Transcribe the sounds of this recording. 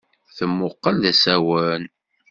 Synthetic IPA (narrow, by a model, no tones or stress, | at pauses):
θəmːʊqːəlðæsæwən